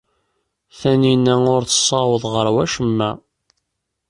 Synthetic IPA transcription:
θæninːæʊɾθə̥sˤːɑwəðˤʁəɾwæʃəmːæ

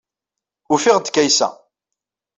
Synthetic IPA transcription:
ufiʁd̪kæjsæ̰

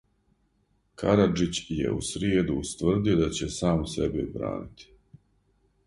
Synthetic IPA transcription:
kʰaɾad͡ʒit͡ɕjḛusɾjeːd̪ust̪vr̩d̪io̞d̪at͡ɕe̞saːmsebibɾa̰ːnit̪i̥

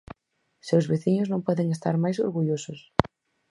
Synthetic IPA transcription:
sewzβeθiɲʊznõŋpɔðeŋest̪aɾmajsoɾɣuʎosʊs

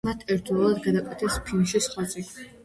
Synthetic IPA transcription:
mat̪ʰɛɾt̪vɛlˠad̪ɡad̪akʼwɛt̪ʰɛspʰinʃisχwat̪sʼikʰi

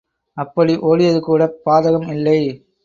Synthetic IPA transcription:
ɐpːɐɽiʔoːɽɪjɐðɯkuːɽɐpːaːðɐɣɐmɪlːɐɪ

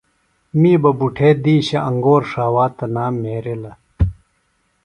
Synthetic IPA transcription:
miːbɐbuʈʰeːd̪iːɕɐʔɐŋɡoːɾʂaːwaːt̪ɐnaːmːeːɾelɐ

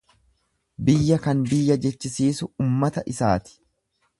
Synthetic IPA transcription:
bɪjːɐkɐnbɪjːɐd͡ʒɛt͡ʃːɪsiːsʊʊːmːɐt̪ɐʔɪsa̰ːt̪ɪ̥

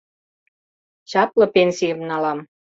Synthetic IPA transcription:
t͡ɕɑplɤ̆penʲsijə̆mnɑlɑm

